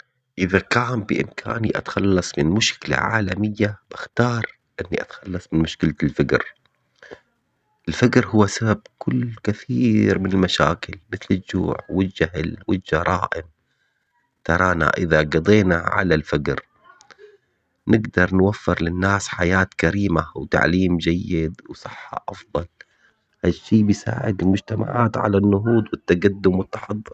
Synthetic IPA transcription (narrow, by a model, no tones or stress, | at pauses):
ʔɪðakaːmbɪ̰ʔɪmkʰa̰ːniʔa̰t̪xɑlːɑsˤmɪnmʊʃkɪla̰ʕa̰ːlamɪjːab̥ɪxt̪ɑːɾˤ | ʔɪnːiʔat̪xɑlːɑsˤmɪnmʊʃkɪlalfaɡɾ | ʔɪlfaɡɾhʊwːasabab̚kʰʊlːkɪθiːɾmɪnɪlmaʃa̰ːkɪlmɪθlɪld͡ʒːṵːʕwɪd͡ʒahlwɪld͡ʒɑɾˤɑːʔɪm | t̪ɑɾˤɑːna̰ʔɪðaɡɑd̪ˤeːnaʕa̰lalfaɡɾ | nɪɡd̪ɑɾˤnwafːɪɾlɪnːaːsħajaːt̪kaɾiːmawt̪a̰ʕliːmd͡ʒajːɪd̪wsˤɨħːɑ̰ʔɑfðˤɑl | haʃːiːbɪjsa̰ːʕɪd̪ɪlmʊd͡ʒt̪ama̰ʕaːt̪ʕa̰lanːʊɦuːd̪wɪt̪ːaɡad̪ːʊmwɪt̪ːɑ̥ħɑd̪ˤːɨɾ